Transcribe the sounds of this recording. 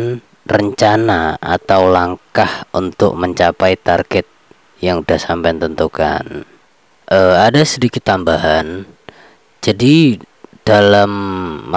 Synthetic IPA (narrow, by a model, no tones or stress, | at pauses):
n | rəɲt͡ʃanaa̰t̪awlaŋkahunt̪ʊ̰k̚məɲt͡ʃapajt̪arɡ̥ɛt̪̚ | jaŋudahsampajnt̪ənt̪uka̰n | ʔəadasədikɪt̪ːambaɦan | d͡ʒadid̥alamː